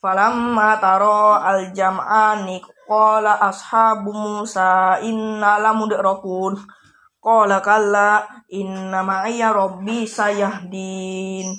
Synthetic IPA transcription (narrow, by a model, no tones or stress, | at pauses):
falamːat̪aɾɔald͡ʒamaʔaniqɔlaʔashabumusaʔinːalamudɛʔɾɔkun | kɔlakalːainːamaʔijaɾɔbisajaɦdin